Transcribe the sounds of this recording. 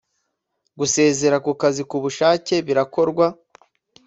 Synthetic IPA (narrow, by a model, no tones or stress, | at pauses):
ɡuse̞ːze̞ɾakukazikuβuʃaːce̞βiɾako̞ɾɡwa